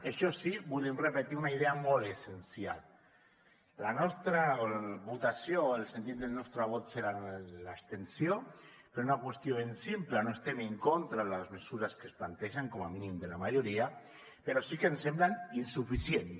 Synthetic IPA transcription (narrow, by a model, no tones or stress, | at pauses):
eʃɔsiβulemrepet̪iunaiðeamolesensja̰l | anɔst̪ɾaβut̪asjoelsent̪it̪̚d̪elnɔst̪ɾaβ̞ot̪seɾalaekst̪ensjopeɾounakwest̪joensimplanoest̪emeŋkont̪ɾalazmesuɾaskesplant̪ɛʒaŋkɔmaminimd̪elamaʒoɾia | peɾosikensemblaninsufisjen